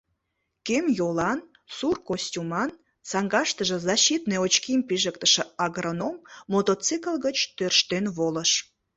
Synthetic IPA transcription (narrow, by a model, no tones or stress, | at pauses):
kemjolɑn | surkosʲtʲumɑn | sɑŋɡɑʃt̪əʒə̆zɑɕit̪neot͡ɕkimpiʒəkt̪əʃĕɑɡronomːot̪ot͡sikəlɣət͡ɕt̪ørʃt̪enβoləʃ